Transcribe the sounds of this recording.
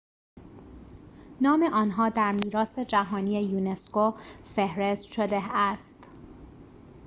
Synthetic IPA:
nɒːme̞ʔɒːnɦɒːd̪æɾmiːɾɒːse̞d͡ʒæɦɒːniːejuːneskofehɾest̪ʃod̪eæst̪

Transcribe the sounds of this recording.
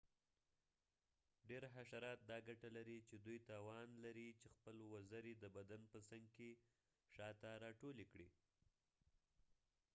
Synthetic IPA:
ɖeɾɦaʃaɾɑt̪̚d̪ɑɡaʈalaɾit͡ʃed̪ujt̪ɑwɑnlaɾit͡ʃexpəlwazaɾed̪əbad̪anpəsaŋɡke | ʃɑt̪aɾɑʈolekɽi

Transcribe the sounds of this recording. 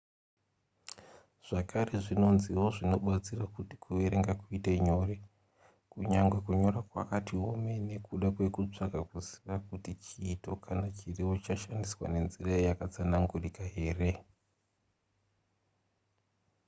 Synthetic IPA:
ʐ̥akʰare̞ʐino̞nziɦo̞ʐino̞ɓat͡sirakuti̥kʰuʋeɾeŋɡakuiteɲo̞re̞ | kuɲaŋɡwe̞kuɲo̞rakwa̰katiɦo̞me̞ne̞kuɗakwe̞kut͡ʂakakuziʋakutit͡ʃiːto̞kʰanat͡ʃirewot͡ʃaʃandiswa̰ne̞nziraejakat͡sanaŋɡurikaɦe̞ːre̞

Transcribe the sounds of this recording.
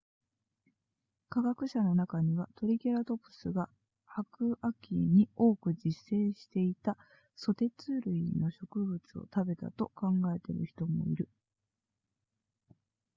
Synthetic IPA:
kaɡakɯ̟ɕano̞nakaɲ̟iβ̞at̪o̞ɾʲike̞ɾat̪o̞pɯ̟̥sɨɡa | hakɯ̟ʔakʲiɲ̟io̞ːkɯ̟d͡ʑisːẽ̞ːɕi̥t̪e̞it̪a | so̞t̪e̞t͡sɨːɾɯ̟ino̞ɕo̞kɯ̟bɯ̟t͡sɨo̞̰t̪abe̞t̪a̰t̪o̞kãŋɡae̞t̪e̞̰ɾɯ̟çi̥t̪o̞mo̞̰ḭɾɯ̟

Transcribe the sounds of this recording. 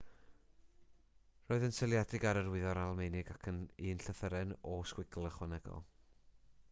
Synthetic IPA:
roːɨðənsəlˠjadɪɡaɾərwɪðɔɾalˠmejnɪɡakʰəniːnɬəθəɾɛnɔskwɪɡlˠəχwɔnɛɡ̥ɔ̰lˠ

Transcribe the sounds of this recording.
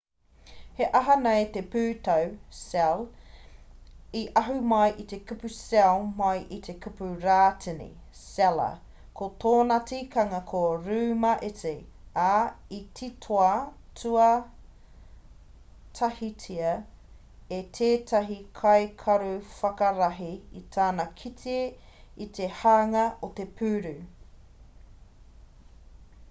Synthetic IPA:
heʔɐɦɐnɐjt̪epʉːt̪ɐwsɛl | iʔɐɦʉmɐjʔit̪e̞kupʉsɛlmɐjʔit̪ʰekʰupʉɾaːtʰinḭ | sɛlɐ̰ | kʰot̪ʰoːnɐt͡sikʰɐŋɐkʰoɾʉːmɐʔet͡siaitʰitʰoɐtʰuɐ | tʰɐhitʰiɐ | et̪ʰeːtʰɐɦikʰɐjkʰɐɾufɐkɐɾaɦiit̪ʰaːnɐkʰitʰie | it̪ʰe̞haːŋɐot̪e̞pʰʉːɾʉ

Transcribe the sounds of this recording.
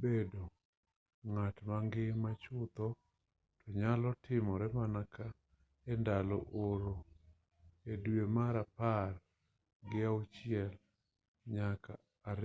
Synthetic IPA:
bedo | ŋatmaŋɡɪmat͡ʃʊt̪ɔ | tʰɔɲalɔtʰɪmɔɾɛmanakʰa | ɛndalɔ̰ʔoɾo | edwemaɾapar | ɡɪaut͡ʃɪɛl | ɲakʰaː | ɾ

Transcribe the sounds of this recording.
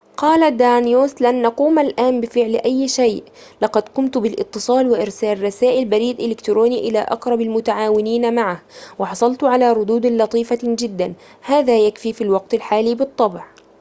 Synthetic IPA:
qɑːlad̪aːnjoːslanʔɑquːmalʔaːnbɪfɪʕlʔajːʃajʔ | lɑqɑd̪kʊmt̪bɪlʔɪ̰t̪ːɨsˤɑːlwɪʔɪɾsaːlrˤːɑsaːʔɪlbaɾiːd̪ʔɪlɪkt̪ɾoːniːʔɪlaːʔɑqɾˤɑbalmʊt̪aʕaːwɪniːnamaʕahwɪħɑsˤɑlt̪ʕalaːɾˤʊd̪uːd̪lɑt̪ˤiːfad͡ʒɪd̪ːan | haːðaːjakfiːfilwɑq̚t̪alħaːliːbɨt̪ˤːɑbʕ

